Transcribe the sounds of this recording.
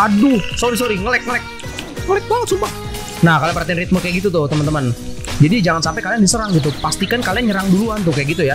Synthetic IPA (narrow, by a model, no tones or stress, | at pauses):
adusoɾis̬oɾiŋəlɛk̚ŋəlɛk̚ | ŋəlɛk̚baŋət̪sumbpah | nahkaliapəɾat̪iɪnrit̪̚mokajakɡit̪̬ut̪ʊht̪əmənt̪əmənd͡ʒadid͡ʒaŋansampɛkaliandisəɾaŋɡit̪upast̪ikankaliaɲəɾaŋduluant̪̬ʊkajaʔɡit̪uja